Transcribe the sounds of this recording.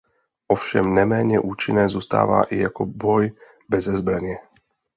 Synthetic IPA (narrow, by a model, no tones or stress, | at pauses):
ʔɔfʃɛmnɛmɛːɲɛʔuːt͡ʃinːɛːzuːst̪a̰ːʋa̰ʔijakɔbɔj | bɛzɛzbɾaɲɪɛ